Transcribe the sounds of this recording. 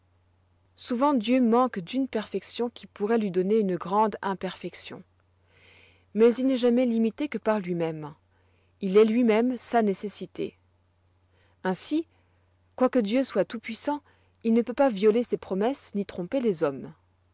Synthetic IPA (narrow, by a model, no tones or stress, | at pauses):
suvɑ̃d̪jømɑ̃kd̪ynpɛʁfɛksjɔ̃kʲipuʁɛlɥid̪ɔneynəɡʁɑ̃d̪ɛ̃pɛʁfɛksjɔ̰̃ | mɛzilnɛʒamɛlimit̪ekəpaʁlɥimɛm | ilɛlɥimɛmsanesesit̪ḛ | ɛ̃si | kwakəd̪jøswat̪upɥisɑ̃ | ilnəpøpavjɔlesepχɔmɛsnit̪χɔ̃pelezɔm